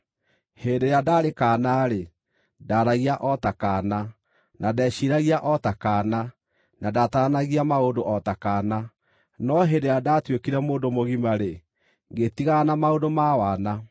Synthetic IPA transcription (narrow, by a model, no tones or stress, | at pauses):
hendejadaɾekanaːɾe | daːɾaɣiaʔɔtakana | nadɛːɕiɾaɣiaʔɔtakaːna | nadataanaɣiamaodoʔɔtakaːna | nɔɦendejadatwekiɾɛmoːndomoɣimaɾe | ŋɡetiɣanamaodomawana